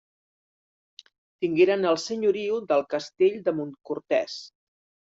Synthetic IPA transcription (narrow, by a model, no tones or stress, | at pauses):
t̪iŋɡeɾənəlˠsəɲuɾiuðəlˠkəst̪eʎd̪əmunkuɾt̪ɛs